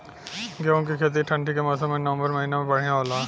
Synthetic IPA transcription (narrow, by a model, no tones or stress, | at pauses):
ɡeõkikʰeːt̪̬iʈʰɐ̃ɳʈʰikemɐsomẽnɐʋə̃mbəɾmɐɦiːnemẽbɐɽ̤iãoːlaː